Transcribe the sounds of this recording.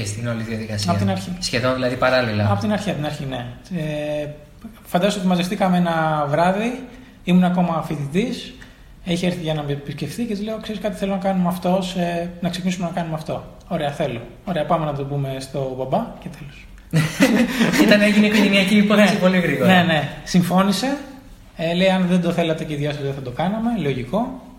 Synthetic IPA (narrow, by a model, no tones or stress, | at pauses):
est̪ino̞liðiɐðikɐsɐpt̪inɐɾçisçe̞ðo̞nðilɐðipɐɾɐlilɐɐpo̞t̪inɐɾçiɐpot̪inɐɾçine̞e | fɐnd̪ɐzst̪ot̪imɐzeft̪ikɐmeenɐvɾɐði | imuneɐko̞mɐːfiðit̪is | içeeɾθiʝɐnɐpiscefθicet͡sileokseiskɐt̪i̥θe̞lonɐkɐnumeɐft̪o̞senɐksecinisumenɐkɐnumeɐft̪o̞ | oɾe̞ɐθe̞lo̞ | oɾe̞ɐpɐmenɐt̪o̞bume̞st̪o̞bɐbɐcet̪elos | iɐneeʝinikoʝeniɐciːponiesipo̞liɣɾiɣoɾnene̞siɱfo̞nise̞ | ele̞iɐnðend̪oθe̞lɐt̪eceiðʝɐsɐzðeθɐd̪okɐnɐme̞lo̞ʝiko̞